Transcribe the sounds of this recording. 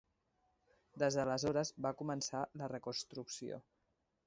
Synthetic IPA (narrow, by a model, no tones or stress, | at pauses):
d̪ezðələzoɾəzbakumənsalərəkunst̪ɾuksio̰